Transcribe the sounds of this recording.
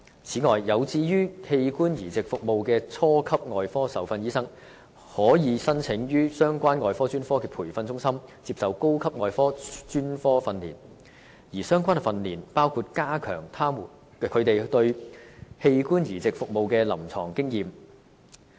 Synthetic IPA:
t͡sʰiː˨˥ŋɔː˨jːɐ˨˧wt͡siː˧jyː˥he˧jkuː˥njiː˨˩t͡sɪ˨k̚fʊ˨k̚mo˨˧wkɛː˧t͡sʰɔː˥kʰɐ˥p̚ŋɔː˨jfɔː˥sɐ˨˥wfɐ˧njiː˥sɐ˥ŋ | hɔː˨˥jiː˨˧sɐ˥nt͡sʰɪ˨˥ŋjyː˥sœː˥ŋkʷaː˥nŋɔː˨˧jfɔː˥t͡ʃyː˥nfɔː˥kɛː˧pʰuː˨˩jfɐ˧nt͡sʊ˥ŋsɐ˥mt͡siː˧p̚sɐ˨wko˥wkʰɐ˥p̚ŋɔː˨˧jfɔː˥t͡ʃyː˥nfɔː˥fɐ˧nlḭː˨˩n | jiː˨˩sœː˥ŋkʷaː˥n˨fɐ˧nliː˨˩npaː˥wkʰuː˧t̚kaː˥kʰœː˨˩ŋt̪ʰaː˥mu˨˩n | kʰɵ˨˧ɥt̪e˨jt̪ɵ˧ɥhe˧jkuː˥njiː˨˩t͡sɪ˨k̚fʊ˨k̚mo˨wkɛː˧lɐ˨˩mt͡sʰɔː˨˩ŋkɪ˥ŋjiː˨m

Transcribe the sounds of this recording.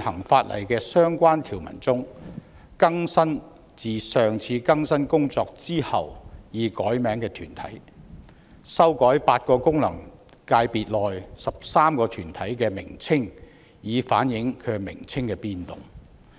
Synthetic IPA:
hɐ˨˩ŋfaː˧t̚lʔɐ̰˨˩jkɛː˧sœː˥ŋkʷaː˥nt̪ʰiː˨˩wmɐ̰˨˩nt͡sʊ˥ŋ | kɐ˥ŋsɐ˥n | t͡siː˨sœː˨ŋt͡sʰiː˨˧kɐ˥ŋsɐ˥nkʊ˥ŋt͡sɔː˧k̚t͡siː˥hɐ˨wjiː˨˧kɔː˨˥jmɛː˨˥ŋkɛː˧t̪ʰyː˨˩nt̪ʰɐ̰˨˥j | sɐ˥wkɔː˨˥jpaː˧t̚kɔː˧kʊ˥ŋlɐ˨˩ŋ | kaː˧jpiː˨t̚lɔː˨jsɐ˨p̚saː˥mkɔː˧t̪ʰyː˨˩nt̪ʰɐ˨˥jkɛː˧mɪ̰˨˩ŋt͡sʰɪ˥ŋ | jiː˨˧faː˨˥njɪ˨˥ŋkʰɵ˨˧mɪ̰˨˩ŋt͡sʰɪ˥ŋkɛː˧piː˧nt̪ʊ̰˨ŋ

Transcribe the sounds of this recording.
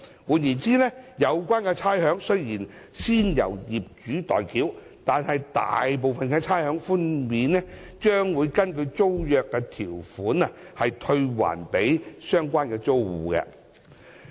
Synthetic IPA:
wuː˨˧njiː˨˩nt͡siː˥nɛ˥jɐ˨˧wkʷaː˥nkɛ˧t͡sʰaː˥jɦœː˨˥ŋsɵ˥jjiː˨˩nsiː˥njɐ̰˨˩wjiː˨p̚t͡ʃyː˨˥t̪ɔ̰ː˨jkiː˨˥w | t̪aː˨nhɐ˨jt̪a̰ː˨jp̬o˨wfɐ˨nkɛː˧t͡sʰaː˥jhœː˨˥ŋfuː˥nmiː˨˧nɛ˥ | t͡ʃœː˥ŋwuː˨˧jkɐ˥nkɵ˧ɥt͡so˥wjœː˨kːɛ˧t̪ʰiː˨˩wfuː˨˥nɐ˧hɐ˨jt̪ʰɵ˧ɥwa̰ː˨˩npe˨˥jsœː˥ŋkʷaː˥nkɛː˧t͡so˥wuː˨˧kɛ̰˧

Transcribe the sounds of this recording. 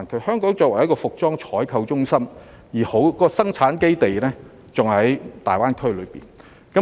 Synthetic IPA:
nkʰɵ˨˧ɥhœː˥ŋkɔː˨˥ŋt͡sɔː˧˥wɐ˨˩jɐ˥t̚kɔː˧fʊ˨k̚t͡sɔː˥ŋt͡ʃʰɔː˨˥jkʰɐ˧wt͡sʊ˥ŋsɐ˥m | jiː˨˩ho˨˥wkːɔː˧sɐ˥ŋt͡sʰaː˨˥nke˥jt̪e˨jlɛː˥ | t͡sʊ˨ŋhɐ˨˥jt̪a̰ː˨jwaː˥nkʰɵ˥ɥlɵ˨˧ɥpḭː˨n | kɐ˨˥

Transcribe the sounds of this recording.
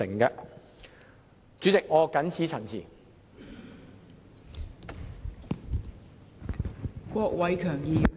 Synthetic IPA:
ɪ̰˨˩ŋkɛ˧ | t͡ʃy˨˥t͡sɪ˨k̚ŋɔː˨˧kɐ˨˥nt͡sʰiː˨˥t͡sʰɐ˨˩nt͡sʰḭː˨˩ | kʷɔː˧k̚wɐ˨˥jkʰœː˨˩ŋjiː˨˧

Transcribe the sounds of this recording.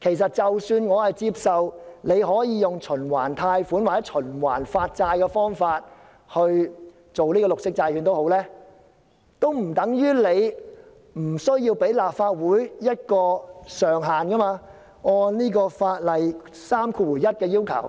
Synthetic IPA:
kʰe˨˩jsɐ˨t̚t͡sɐ˨wsyː˧nŋɔː˨˧hɐ˨jt͡siː˧p̚sɐ˨wne˨˧jɦɔː˨˥jiː˨˧jʊ˨ŋt͡ʃʰɵ˨˩nwa̰ː˨˩nt̪ʰaː˧jfuː˨˥nwaː˨t͡sːɛ˨˥t͡ʃʰɵ˨˩nwa̰ː˨˩nfaː˧t̚t͡saː˧jkɛ˧fɔː˥ŋfaː˧t̚ | hɵ˧ɥ | t͡so˨wnliː˥kɔː˧lʊ˨k̚sɪ˥k̚t͡saː˧jkʰyː˨˧nt̪o˥who˨˥wlɛː˥ | t̪o˥wm̩˨˩t̪ɐ˨˥ŋjyː˥le˨˧j | m̩˨˩sɵ˥ɥjiː˧wpe˨˥jlaː˨p̚faː˧t̚wuː˨˥jjɐ˥t̚kɔː˧sœː˨ŋɦaː˨nkɐ˥maː˧ | ŋɔː˧nniː˥kɔː˧faː˧t̚lɐ˨j | saː˥mkʰuː˧wuː˨˩jɐ˥t̚kɛː˧jiː˥wkʰɐ̰˨˩w

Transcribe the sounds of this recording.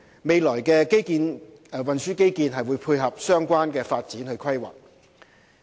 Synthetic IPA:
me˨˧jlɔː˨˩jkɛː˧ke˥jkiː˧n˨ | wɐ˨nsyː˥ke˥jkiː˧nɦɐ˨jwuː˨˧jpʰuː˧jɦɐ˨p̚sœː˥ŋkʷaː˥nkɛː˧faː˧t̚t͡siː˨˥nhɵ˧ɥkʰɐ˥jwɐ̰˨˩

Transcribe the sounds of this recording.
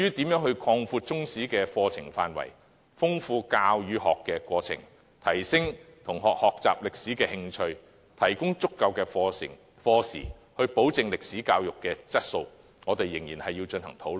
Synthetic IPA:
jyː˥t̪iː˨˥mjœː˨˥ŋhɵ˧ɥkʰɔː˧ŋfuː˧t̚t͡sʊ˥ŋsiː˨˥kɛː˧fɔː˧t͡sʰɪ˨˩ŋfa̰ː˨˧nwɐ̰˨˩j | fʊ˥ŋfuː˧kaː˧wjyː˨˧ɦɔː˨kːɛː˧kʷɔː˧t͡sʰɪ̰˨˩ŋ | t̪ʰɐ˨˩jsɪ˥ŋ | t̪ʰʊ˨˩ŋhɔː˨k̚hɔː˨k̚t͡sa̰ː˨p̚lɪ˨k̚siː˨˥kɛː˧hɪ˧ŋt͡ʃʰɵ˧ɥ | t̪ʰɐ˨˩jkʊ˥ŋt͡sʊ˥kːɐ˧wkɛː˧fɪ˨˩ŋ | fɔː˧sḭː˨˩ | hɵ˧ɥpo˨˥wt͡sɪ˨ŋlɪ˨k̚siː˨˥kaː˧wjʊ˨kːɛː˧t͡sɐ˥t̚so˧w | ŋɔː˨˧t̪e˨jːɪ˨˩ŋjiː˨˩nhɐ˨jːiː˧wt͡ʃɵ˧nhɐ̰˨˩ŋt̪ʰo˨˥wl

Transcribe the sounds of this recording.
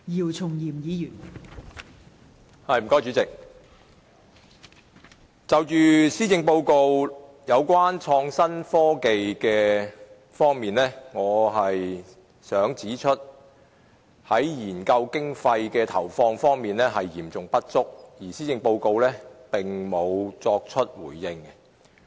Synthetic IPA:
jiː˨˩wt͡sʰʊ˨˩ŋjiː˨˩mjiː˨˥jyː˨˩n | hɐ˨˧jm̩˨˩kɔː˨˥jt͡ʃyː˨˥t͡sɪ˨k̚ | t͡sɐ˨wt͡ʃyː˨siː˥t͡sɪ˧ŋpo˧wko˧w | jɐ˨˧wkʷaː˥nt͡ʃʰɔː˧ŋsɐ˥nfɔː˥ke˨jkɛː˧ | fɔː˥ŋmiː˨nlɛː˥ŋɔː˨˧ɦɐ˨j | sœː˨˥ŋt͡siː˨˥t͡ʃʰɵ˥t̚ | hɐ˨˥jjiː˨˩nkɐ˧wkɪ˥ŋfɐ˧jkɛː˧t̪ʰɐ˨˩wfɔː˧ŋfɔː˥ŋmiː˨nlɛː˥ɦɐ˨jːiː˨˩mt͡sʊ˨˩ŋpɐ˥t̚t͡sʊ˥k̚jiː˨˩siː˥t͡sɪ˧ŋpo˧wko˧wlɛː˥pɪ˨ŋmo˨˧wt͡sɔː˧k̚t͡ʃʰɵ˥t̚wuː˨˩jːɪ˧ŋɛ˧

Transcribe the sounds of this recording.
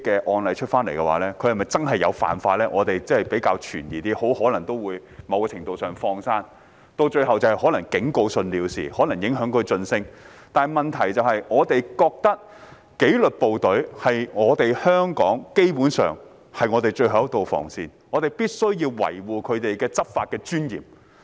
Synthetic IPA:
kɛː˧ʔɔː˧nlɐ˨jt͡ʃʰɵ˥t̚faː˥nle˨˩jkɛ˧wa̰ː˨˥lɛː˥kʰɵ˧hɐ˨˩mɐ˨jt͡sɐ˥nɦɐ˨jːɐ̰˨˧wfa̰ː˨nfaː˧lɛː˥ʔɔː˨˧t̪e˨jt͡sɐ˥hɐ˨˩jpe˨˥jkaː˧wt͡ʃʰyː˨˩njiː˨˩t̪iː˥ho˨˥whɔː˨˥lɐ˨˩ŋt̪o˥wuː˨˧jmɐ˨˧wkɔ˧t͡ʃʰɪ˨˩ŋt̪o˨wsœː˨ŋfɔː˧ŋsaː˥n | t̪o˧wt͡ʃɵ˧ɥɦɐ˨wt͡sɐ˨˩hɐ˨˩hɔː˨˥lɐ˨˩ŋkɪ˨˥ŋko˧wsɵ˧nliː˨˧wsḭː˨˩hɔː˨˥lɐ˨˩ŋjɪ˨˥ŋɦœː˨˥ŋkʰɵ˨˧t͡sɵ˧nsɪ˥ŋ | t̪aː˨mɐ˨nt̪ʰɐ˨˩jt͡sɐ˨whɐ˨jŋɔː˨˧t̪e˨jkɔː˧k̚t̪ɐ˥k̚ | ke˨˥jlɵ˨t̚po˨wt̪ɵ˨˥ɥhɐ˨jŋɔː˨˧t̪e˨jhœː˥ŋkɔ̰ː˨˥ŋke˥jpuː˨˥nsœ̰ː˨ŋ | hɐ˨jŋɔ˨˧t̪e˨˩jt͡ʃɵ˧ɥɦɐ˨wɐ˥k̚t̪o˨wfɔ̰ː˨˩ŋsiː˨nŋɔː˨˧t̪e˨jpiː˥t̚sɵ˥ɥjiː˧wwɐ̰˨˩jwuː˨kʰɵ˨˧t̪e˨jkɛː˧t͡sɐ˥p̚faː˧t̚kɛː˧t͡ʃyː˥njḭː˨˩m

